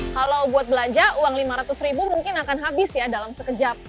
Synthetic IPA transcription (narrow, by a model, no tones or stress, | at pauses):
kalawbuat̪̚bəlaɲd͡ʒauaŋlimaɾat̪ʊsribumuŋkɪnakanɦabɪsjadalamsəkəd͡ʒap̚